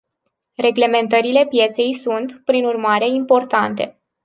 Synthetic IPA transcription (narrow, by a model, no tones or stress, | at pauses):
re̞ɡle̞me̞nt̪əɾile̞pje̞t̪se̞jsunt̪pɾinurmaɾe̞impo̞rt̪ant̪e̞̰